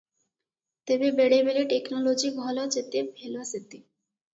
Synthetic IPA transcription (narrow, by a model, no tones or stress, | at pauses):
t̪ebebeɽebeleʈeknolod͡ʑiɡʱɔlat͡ɕet̪ebʱeloaset̪e